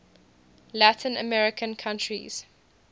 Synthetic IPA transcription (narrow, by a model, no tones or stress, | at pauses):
latʰɪ̃nə̰mɛɹɪkʰə̃nkʰãntɹḭz̥